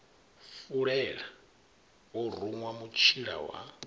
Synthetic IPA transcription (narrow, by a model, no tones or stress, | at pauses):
fuɺɛɺa | ɔruŋwamut͡ʃʰiɺa̰wa̰